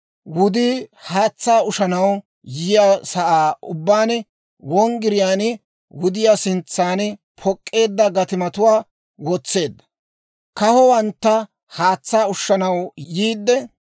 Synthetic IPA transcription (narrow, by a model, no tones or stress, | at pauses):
wʊd̪iːhaːt͡sːaːʊʃɐnɐw | jɪjaːsɐʔaːʊbːaːn | wɔŋɡɪɾɪjaːn | wʊd̪ɪjasɪnt͡sːaːn | pʰɔkʼːe̞ːd̪ːɐɡɐt̪ɪmɐt̪ʊwaː | wɔt͡sːe̞ːd̪ːɐ̥ | kɐhɔwɐnt̪ːɐ | haːt͡sːaːʊʃːɐnɐwjiːd̪ːɛ